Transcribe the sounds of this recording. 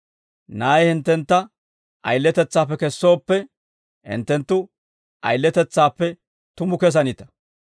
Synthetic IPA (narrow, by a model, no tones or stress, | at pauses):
naːjɛhɪnt̪ːɛnt̪ːɐ | ʔɐ̰jlːɛt̪ɛt͡sːaːp̬ːɛkɛsːo̞ːpːɛ | hɪ̰nt̪ːɛnt̪ːʊ | ʔɐ̰jlːɛt̪ɛt͡sːaːpːɛ | t̪ʊmʊkɛs̬ɐnit̪ɐ̥